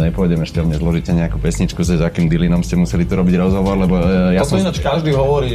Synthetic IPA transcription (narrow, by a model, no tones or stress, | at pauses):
ɲɛpɔɔjɟɛmɛʃcɛɔmɲɛzlɔʒicɛɲɛakuːpɛsɲit͡ʃkuzɛzakiːmd̪ilinɔmscɛmusɛlit̪ɔɾɔbiɟɾɔzɦɔʋɔɾlɛbɔjasɔinat͡ʃkaʒd̪iːɦɔʋɔɾiː